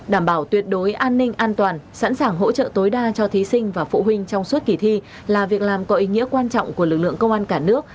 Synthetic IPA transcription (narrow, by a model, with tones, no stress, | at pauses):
ɗaː˧˩mɓaː˧˩wt̪wi˨˩ət̚ɗo˨˦jʔaː˧nːï˧ŋ̟ʔaː˧nt̪waː˨˩nsa̰˧˥nsaː˨˩ŋɦo̰˧˥t͡ɕə̰ː˧˨t̪o˨˦jɗaː˧t͡ɕɔ˧t̪ʰi˨˦sï˧ŋ̟vaː˨˩fṵ˧˨ɦï˧ŋ̟t͡ɕɔ˧wŋ͡msu˦˥t̚ki˨˩t̪ʰi˧ | laː˨˩vi˨˩ək̚laː˨˩mkɔ˨˦ʔi˨˦ŋḭ˧˥əkwaː˧nt͡ɕɔ̰˧˨wŋ͡mku˧˩əlɨ˨˩k̚lɨ̰˧˨əŋkə˧wŋ͡mʔaː˧nkaː˧˩nɨ˦˥ək̚